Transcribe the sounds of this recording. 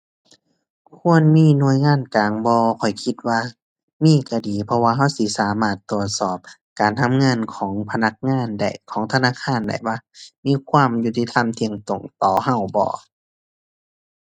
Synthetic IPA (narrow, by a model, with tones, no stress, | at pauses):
kʰu˧˥˨ənmiː˧˥˨nu˧ə˨jŋaː˧˥˨nkaː˨ŋbɔː˧kʰɔ˨˩jkʰi˧t̪̚waː˧ | miː˧˥˨kʰa˧˩diː˨pʰɔ˧waː˧ɦa˧˥˩wsi˧˦saː˨˦maː˧˥˩t̪ːu˧˨˩ət̪̚sɔː˧˩p̚ | kaː˨˩nt̪ʰa˧˥˨mŋɤ˧˥˨nkʰɔː˩˦ŋpʰa˧na˧˥k̚ŋaː˧˥˨nda̰˧˩jkʰɔː˨˦ŋt̪ʰa˧naː˧˥˨kʰaː˧˥˨nda̰˧˩jwa˧˨miː˧˥˨kʰwaː˧˥˨mju˧t̪ːi˧t̪ʰa˧˥˨mt̪ʰi˧˨əŋt̪o˨˩ŋt̪ɔː˨˩ha˧˩˨wbɔ̰ː˧˦